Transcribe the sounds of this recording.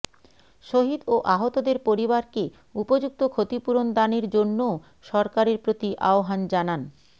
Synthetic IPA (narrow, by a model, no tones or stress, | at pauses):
ʃoɦid̪oʔaɦot̪od̪eɾpoɾibaɾke | upod͡ʑuk̚t̪okʰot̪ipuɾond̪aneɾd͡ʑonːo | ʃɔɾkaɾeɾpɾot̪iʔa̰oɦand͡ʑanan